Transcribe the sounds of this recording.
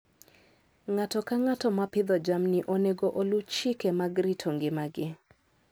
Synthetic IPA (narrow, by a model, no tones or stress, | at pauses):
ŋatɔkaŋatɔmapɪd̪ɔd͡ʒamnɪʔoneɡoʔolut͡ʃikemaɡɾitʰɔŋɡɪmaɡɪ